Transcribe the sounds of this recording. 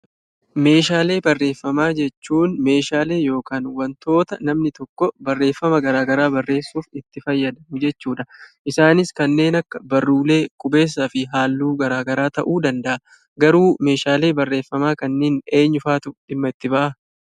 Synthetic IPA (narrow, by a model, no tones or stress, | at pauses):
me̞ːʃaːle̞ːbɐrːe̞ːfːɐmaːd͡ʒɛt͡ʃːuːnme̞ːʃaːle̞ːjo̞ːkaːnwɐnt̪o̞ːt̪ɐnɐmnɪt̪ɔkːɔbɐrːe̞ːfːɐmɐɡɐɾaːɡɐɾaːbɐrːe̞ːsːuːfɪt̪ːɪfɐjːɐd̪ɐmʊd͡ʒɛt͡ʃːuːᶑɐʔɪsaːnɪskɐnːe̞ːnɐkːɐbɐrːuːle̞ːkʼʊbe̞ːs̬ːaːfɪɦaːlːuːɡɐɾaːɡɐɾaːt̪ɐʔuːd̪ɐnd̪ɐʔɐ | ɡɐɾuːme̞ːʃaːle̞ːbɐrːe̞ːfːɐmaːkɐnːeːne̞ːɲːʊfaːt̪ʊᶑɪmːɐɪt̪ːɪbɐʔɐ